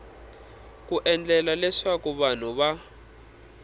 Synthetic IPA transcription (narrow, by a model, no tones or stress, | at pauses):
k̬uʔɛnd͡ɮɛlalɛʂakuβan̤uβa